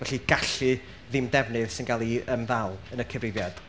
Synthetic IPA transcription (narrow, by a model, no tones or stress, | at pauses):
vɛɬiɡ̥aɬɨ | ðɪmdɛvnɨðsɪnɡalˠiəmðalˠənəkʰəvrɪvjad̥